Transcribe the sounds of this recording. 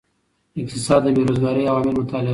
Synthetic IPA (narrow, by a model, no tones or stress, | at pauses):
ɪk̚t̪ɪsɑd̪ːəbeɾozɡɑɾiawɑmɪlmʊt̪ɑlɪ